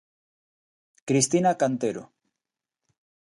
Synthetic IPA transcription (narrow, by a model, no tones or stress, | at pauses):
kɾist̪inakant̪eɾo